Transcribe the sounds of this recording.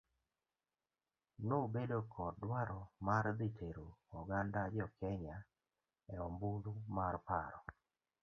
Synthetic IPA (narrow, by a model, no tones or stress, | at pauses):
nobedokʰɔdwaɾɔmaɾd̪itʰeɾoɔɡandad͡ʒɔkɛɲa | ɛɔmbud̪umarpaɾɔ